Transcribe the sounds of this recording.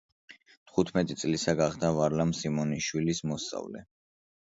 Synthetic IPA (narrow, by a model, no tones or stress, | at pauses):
t̪ʰχut̪ʰmɛt̪ʼit̪sʼlisaɡaχd̪avaɾlamsimɔniʃwilismɔst̪sʼa̰vlɛ̰